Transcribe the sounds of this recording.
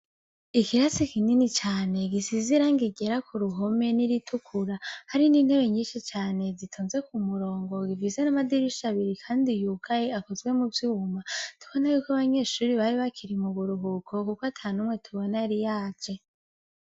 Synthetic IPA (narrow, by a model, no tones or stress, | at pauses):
ikiɾasikininit͡ʃaːne̞ɡisiziɾaŋɡiɟe̞ɾakʰuɾuɦo̞me̞niɾitʰukʰuɾahaɾiniːn̥he̞βe̞ɲiːnʃit͡ʃaːne̞zitʰuːnze̞kumuɾo̞ːŋɡoɡivize̞namadiɾiʃaβiɾikʰaːndijuːkʰajeakozɡwe̞muvjuːmatʰu̥βonajukaβaɲe̞ʃuːɾiβaɾiβakʰiɾimuβuɾuɦukʰo̞kukoatʰaːnumŋe̞tʰuβonaɾijaːd͡ʒe